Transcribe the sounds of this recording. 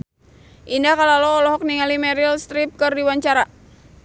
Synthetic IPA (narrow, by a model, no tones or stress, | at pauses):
ʔindakalalɔːlɔɦɔk̚niŋalimɛɾilst̪ɾip̚kɨrdiwaɲt͡ʃaɾa